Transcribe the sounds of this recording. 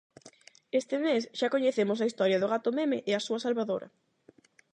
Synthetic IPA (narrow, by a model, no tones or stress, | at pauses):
est̪ɪmesʃakoɲeθemʊs̬ɐist̪ɔɾjɐðʊɣat̪ʊmemeʔɪasuɐsalβaðoɾʔɐ̰